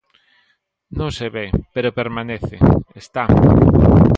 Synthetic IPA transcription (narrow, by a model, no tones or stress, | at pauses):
nõŋseβepeɾopeɾmaneθeest̪a